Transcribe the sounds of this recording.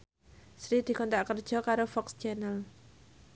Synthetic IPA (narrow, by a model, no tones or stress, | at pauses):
sɾid̪̥i̤kɔnt̪aʔkərd̥ʒ̥ɔ̤kaɾofɔkst͡ʃanəl